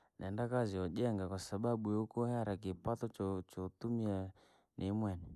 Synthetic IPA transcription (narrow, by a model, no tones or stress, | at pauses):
nʔɛndakaziɔʄɛŋɡakwasaɓaɓuɔukɔhaɾak̬ipatɔt͡ʃɔt͡ʃɔtumia | nʔimwɛni